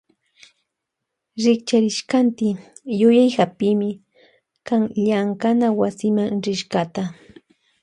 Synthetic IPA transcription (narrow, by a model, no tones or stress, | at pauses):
ɾɪkt͡ʃaɾɪʃkant̪ɪ | jʊjajhapɪmɪ | kaŋʎaŋkanawasɪmaŋɾɪʃɢat̪a